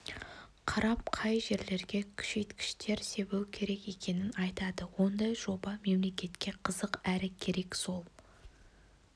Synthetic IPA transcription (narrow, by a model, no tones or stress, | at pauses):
qʰɑɾɑp̚qʰɑjʒe̞ɾle̞ɾɡʲe̞kʲʰʏ̥ʃe̞jt̪kʲɪ̥ʃt̪ʰe̞ɾse̞bewkʲʰe̞ɾe̞kje̞kʲe̞nɪnɑjt̪ɑd̪əwo̞nd̪ɑjʒo̞bɑme̞mlekʲe̞t̪kʲe̞qʰəzəqæɾɪkʲʰe̞ɾe̞kso̞lˠ